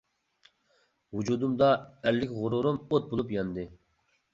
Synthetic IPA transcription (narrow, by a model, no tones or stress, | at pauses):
wud͡ʒud̪umd̪ɑælːɪkʲʁʊɾuɾumot̪̚bolˠupjɑnd̪ɨ